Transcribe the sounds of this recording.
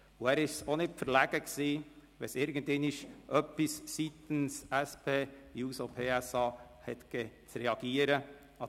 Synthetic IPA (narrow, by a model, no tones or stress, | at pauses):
ʊæːɾɪʃsonɪtfəɾlæɡ̥əksiːʋɛsɪɾɡən̩t̪ɛnɪʃʔœpissit̪ən̩sɛspʰeːjuːsopʰeːɛsɑː | hɛt̪ɡ̥ɛt͡sɾɛɑɡ̥iːəɾə | ɑ